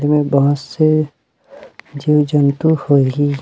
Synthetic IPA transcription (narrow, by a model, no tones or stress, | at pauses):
emẽbɐɦʊt̪se | d͡ʒiːwd͡ʒənt̪uhoiɡi